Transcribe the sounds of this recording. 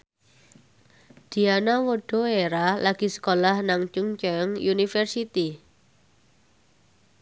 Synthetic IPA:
d̪̥i̤anawoɖ̥o̤eɾalaɡ̥isə̥kolahnaŋt͡ʃuŋt͡ʃaŋjunifɛrsit̪i

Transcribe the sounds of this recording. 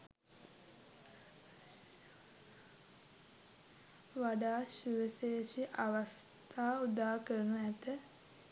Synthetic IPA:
ʋaɖaːʃuʋəsejʃiʔaʋast̪ʰaːud̪aːkəɾənuæt̪ə

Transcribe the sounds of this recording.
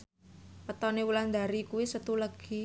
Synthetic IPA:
pət̪ɔnewuland̪aɾikuwisət̪uləɡ̥i

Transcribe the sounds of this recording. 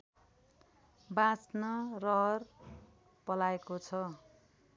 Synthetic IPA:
bãt͡snʌrʌɦʌr | pʌlaekot͡sʰʌ

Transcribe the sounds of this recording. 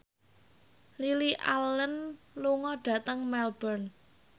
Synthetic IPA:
liliʔa̰lːən | luŋɔɖ̥ä̤t̪əŋmɛlb̥ərn

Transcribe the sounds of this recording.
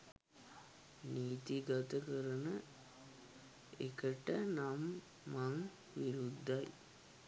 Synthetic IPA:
niːt̪iɡɐt̪əkəɾənə | ekəʈənamː | aŋ | ʋiɾud̪ʱːɐj

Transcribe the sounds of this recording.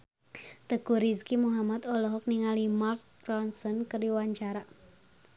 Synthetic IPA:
t̪əɡ̥ṳɾiskimuɦamat̪ɔlɔɦɔk̚niŋalimark̚ | rɔnsɔnkəriwaɲt͡ʃaɾa

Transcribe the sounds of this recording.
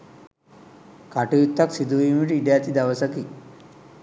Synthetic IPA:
kaʈujut̪ʰːaksid̪uimiʈiɖjat̪id̪aʋəsəki

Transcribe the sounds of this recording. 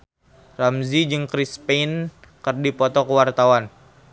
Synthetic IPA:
ramzid͡ʒɨŋkɾispen | kɨrdipɔt̪ɔkəwart̪awan

